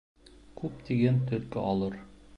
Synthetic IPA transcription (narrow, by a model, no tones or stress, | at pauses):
kʉpt̪iɡænt̪ɵ̆lkɘ̰ʔɒlˠɤɾ